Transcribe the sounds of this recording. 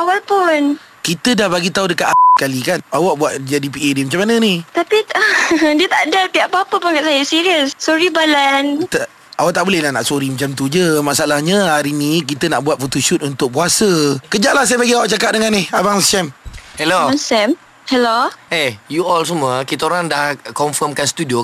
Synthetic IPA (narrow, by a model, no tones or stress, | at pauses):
awalpʊn | kit̪ədahbaɡit̪audəkat̪aaskalikanawaʔbuaʔ̪̚d͡ʒadipiedimat͡ʃamːanənit̪apiədiət̪aʔdət̪iaʔpəapəpakaʔ̪sajasiɾiəssoɾibalant̪ə | awaʔt̪aʔbolɛhlahna̰ʔsoɾimət͡ʃamt̪ud͡ʒəmaʔsaalahɲãɦaɾinĩk̬it̪ənaʔbuat̪̚fot̪oʃut̪̚unt̪ʊk̚puasəkəd͡ʒaʔlahs̬ajəbaɡiawaʔt͡ʃakat̪̚dəŋanɪhabaŋsɛmhɛloasɛm | hɛloʔejuɔls̬əmuəkit̪aoɾaŋdahkɔɱfəmkanst̪udio